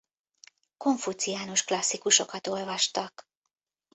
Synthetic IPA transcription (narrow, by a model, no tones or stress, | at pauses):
ko̞ɱfut̪sijaːnoʃklɒsːikuʃo̞kɒt̪o̞lvɒʃt̪ɒk